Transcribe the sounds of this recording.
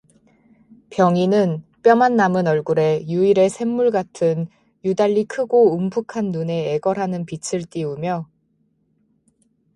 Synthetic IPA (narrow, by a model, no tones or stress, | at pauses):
pjʌŋinɯnp͈jʌmanːamɯnʌɭɡuɾe̞juiɾe̞sʰe̞mːuɭɡatʰɯn | judaʎːikʰɯɡoumbʰukʰanːune̞ːɡʌɾɦanɯnpit͡ɕʰɯɭt͈ʼiumjʌ